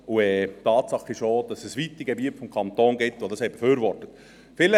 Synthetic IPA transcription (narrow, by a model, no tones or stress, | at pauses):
uɛːtɑːtsɑχɪʃod̥ɑsɛsʋitːiɡebiətfɔmkʰɑnt̪oːnɡɪtʋodɑshɛɪb̥efyːɾʋɔrtət | fɪlə